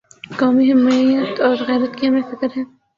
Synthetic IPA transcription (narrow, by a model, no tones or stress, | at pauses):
kaːmiɦɛmːijət̪ɔːɾɣɛːɾət̪kimẽfɪkɾɦɛ̃ː